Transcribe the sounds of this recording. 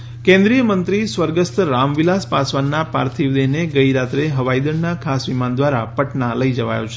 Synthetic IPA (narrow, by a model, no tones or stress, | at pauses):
kɛ̃nd̪ɾijəmənt̪ɾisʋəɾɡəst̪ɾamʋilaspasʋanːapa̰ɾt̪ʰiʋd̪eɦneɡəiɾat̪ɾeɦəʋajd̪əɳnakʰasʋimand̪ʋaɾapəʈnaləid͡ʒəʋa̰jo̰t͡ʃʰe